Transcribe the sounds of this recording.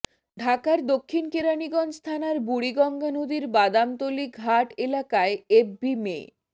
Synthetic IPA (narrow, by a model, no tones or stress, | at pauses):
ɖʱakaɾd̪okʰːinkeɾaniɡɔnst̪ʰanaɾbuɽiɡɔŋɡʱanod̪iɾbad̪amt̪oliɡʱaʈelakaeebbimḛ